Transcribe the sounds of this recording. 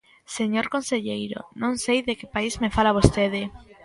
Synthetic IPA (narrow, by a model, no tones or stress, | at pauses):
seɲoɾkonseʎejɾo̰nõŋsejðekɪpaizmefalaβost̪eðɪ